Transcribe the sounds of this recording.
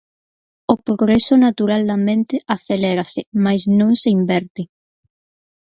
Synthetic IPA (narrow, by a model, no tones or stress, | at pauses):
opɾoɣɾesonat̪uɾald̪ament̪ɪʔaθeleɾasɪmajsnõŋseimbɛɾt̪ɪ